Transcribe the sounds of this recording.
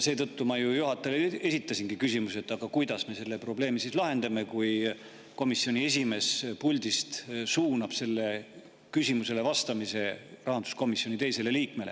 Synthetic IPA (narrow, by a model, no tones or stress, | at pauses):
se̞ːt̪ɤt̪ːumɑjujuɦɑt̪ːˑɑlee̞sit̪ːˑɑsʲinɡ̥ikysimuse̞t̪ːˑɑɡ̥ɑkujd̪̥ɑsme̞se̞lːepro̞ble̞ːmisislɑɦe̞nd̪ɑme̞kuj | ko̞misːio̞nʲie̞s̬ʲime̞ːspulʲd̪ist̪suːnɑb̥se̞lːe̞ | kysʲimuse̞le̞vɑst̪ɑmise̞rɑɦɑnd̪̥u̥sko̞misjo̞nʲit̪ejse̞le̞liːk̚me̞le̞